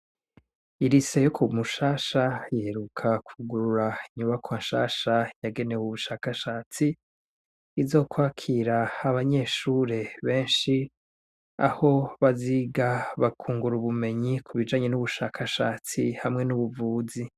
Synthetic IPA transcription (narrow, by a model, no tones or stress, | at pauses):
iɾise̞jokʰumuʃaːʃajihe̞ɾukʰakʰuɡuɾuɾaiɲuβakʰwaːnʃaːʃajaɡe̞newuβuʃaːkaʃaːt͡siː | zo̞ːkwaːkʰiɾaːβaɲe̞ːʃuːɾe̞βe̞ːnʃi | a̰ho̞βaziɡaβakʰuːŋɡuɾuβume̞ɲikʰuβid͡ʒaːɲe̞nuβuʃaːkʰaʃaːt͡sihamŋe̞nuβuvuːzi